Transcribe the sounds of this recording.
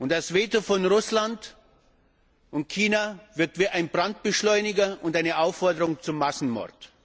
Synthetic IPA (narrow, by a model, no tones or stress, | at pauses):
ʔʊntasv̥eːtofɔnʁʊslant | ʔʊnt̚kʰiːnavɪɐk̚tv̥iːʔaɪnbʁant̚b̥əʃlɔʏnɪɡɐʔʊntʔaɪnəʔaʊfːɔɐdəʁʊŋt͡sʊmːasn̩mɔ̰ɐt